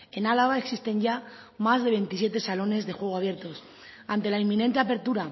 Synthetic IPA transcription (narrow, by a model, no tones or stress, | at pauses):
e̞nalaɣ̞aeksist̪e̞ɲʝa | mazðe̞βe̞nt̪isje̞t̪esalo̞ne̞zðe̞xwe̞ɣ̞oaβje̞ɾt̪o̞s | ant̪e̞laimːĩne̞nt̪eape̞ɾt̪uɾa